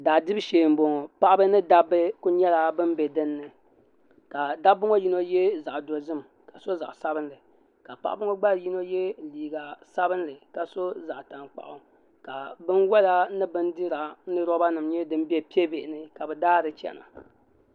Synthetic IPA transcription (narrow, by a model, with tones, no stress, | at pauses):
daː˨dɨ˦bɨ˦ʃeː˨m˦bo˨ŋ˨pa˦ʔbɨ˦nɨ˦da˦bɨ˦ku˦ɲɛ˦la˨bɨ˦m˦bɛ˨dɨ˦nːɨ˨ | ka˨da˦bʊ˦ŋo˦ji˦no˦jɛ˦za˨ʔdo˨zɨ˦m | ka˨so˦za̰˨ʔsa˦bɨ˦nlɨ˨ | ka˨pa̰˦ʔbʊ˦ŋo˦ɡ͡ba˦ɾji˦no˦jɛ˦liː˨ɡa˨sa˦bɨ˦nlɨ˨ka˨so˦za˨ʔta˨ŋk͡pa̰˨ʔʊ˨ | ka˨bɨ˦nwɔ˦la˦nɨ˦bɨ˦ndɨ˦ɾa˨nɨ˦ɾɔ˦ba˦nɨ˨mɲɛ˦dɨ˦m˦bi˦ɛ˦pi˦ɛ˦be˨ʔɪ˨nɨ˦ka˨bɛ˨daː˦dɨ˨t͡ʃɛ̰˨na̰˨